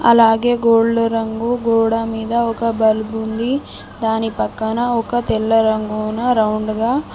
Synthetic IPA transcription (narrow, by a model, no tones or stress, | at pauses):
ɐ̰laːɡe̞ːɡoːɖuɾɐŋɡuɡoːɽɐmiːd̪ɐɔkɐbɐlbund̪i | d̪aːnipɐkːɐnɐɔkɐt̪ɛlːɐɾɐŋɡuːnɐɾɐwɳɖɡɐ